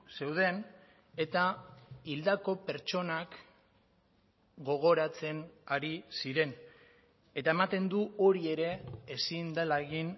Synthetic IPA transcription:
se̞wð̞e̞n | e̞t̪aild̪ako̞pe̞ɾt͡ʃo̞nak | ɡo̞ɣ̞o̞ɾat͡se̞naɾisiɾe̞n | e̞t̪ae̞mat̪e̞nd̪uo̞ɾie̞ɾe̞ːsind̪alaɣin

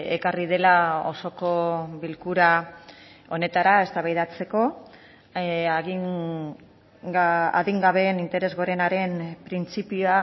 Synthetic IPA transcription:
ḛkariðe̞lao̞so̞ko̞βilkuɾa | o̞ne̞t̪aɾae̞st̪aβajðat͡se̞ko̞ | aɣi | a̰ðiŋɡaβe̞nint̪e̞ɾe̞zɣo̞ɾe̞naɾe̞mpɾint͡sipioa

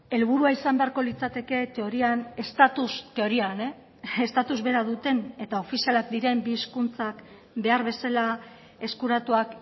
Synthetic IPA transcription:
e̞lβuɾuaisambe̞aɾko̞lit͡sat̪e̞ke̞t̪e̞o̞ɾiane̞st̪at̪ust̪e̞o̞ɾiane | est̪at̪uzβe̞ɾaðut̪e̞ne̞t̪ao̞fisialakd̪iɾe̞mbiskunt͡sak | be̞aɾβ̞e̞sala | e̞skuɾat̪uak

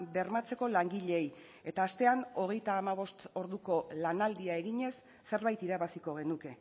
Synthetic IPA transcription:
be̞ɾmat͡se̞ko̞laŋɡiʎe̞ːj | e̞t̪aːst̪e̞ano̞ɣ̞e̞jt̪aːmaβ̞o̞st̪o̞ɾðuko̞lanald̪iae̞ɣiɲe̞sː | e̞ɾβajt̪iɾaβasiko̞ɣ̞e̞nuke̞

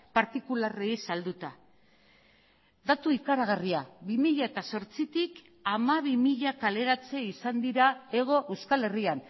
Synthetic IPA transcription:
paɾt̪ikulareisald̪ut̪a | d̪at̪uikaɾaɣ̞ariaβimiʎae̞t̪aso̞ɾt͡sit̪ik | amaβimiʎakale̞ɾat͡se̞isand̪iɾae̞ɣ̞o̞ʔe̞wskale̞rian

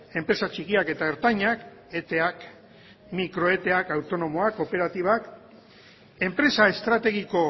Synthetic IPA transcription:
e̞mpɾe̞sat͡ʃikiake̞t̪aeɾt̪aɲak | e̞t̪e̞ak | mikɾo̞e̞t̪e̞akawt̪o̞no̞mo̞ako̞pe̞ɾat̪iβak | e̞mpɾe̞sae̞st̪ɾat̪e̞ɣiko̞

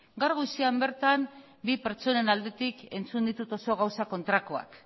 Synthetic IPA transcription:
ɡaɾɣujsiambe̞ɾt̪am | bipeɾt͡ʃo̞ne̞nald̪e̞t̪ike̞nt͡sund̪it̪ut̪o̞so̞ɣ̞awsako̞nt̪ɾakoa̰k

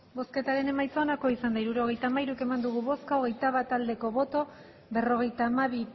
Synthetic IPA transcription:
bo̞ske̞t̪aɾe̞ne̞majt͡soːnako̞isand̪aiɾuɾo̞ɣ̞e̞jt̪aːmaiɾuke̞mand̪uɣ̞uβo̞skaoɣe̞jt̪aβat̪ald̪e̞ko̞βo̞t̪o̞ | βe̞ro̞ɣ̞e̞jt̪aːmaβ̞i

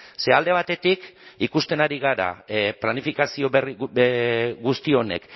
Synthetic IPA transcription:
se̞ald̪e̞β̞at̪e̞t̪ikikust̪e̞naɾiɣ̞aɾa̰planifikasio̞βeri | ɡust̪io̞ne̞̰k

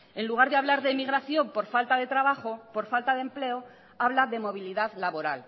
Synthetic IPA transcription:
e̞nluɣaɾðeaβlaɾðemiɣ̞ɾaθjo̞mpo̞ɾfalt̪aðe̞t̪ɾaβaχopo̞ɾfalt̪aðe̞mple̞o | aβlaðe̞mo̞β̞iliðaðlaβo̞ɾa̰l

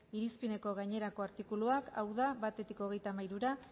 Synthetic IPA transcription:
iɾispine̞ko̞ɣ̞ajɲe̞ɾako̞aɾt̪ikuluakawð̞aβat̪e̞t̪iko̞ɣ̞e̞jt̪amajɾuɾa

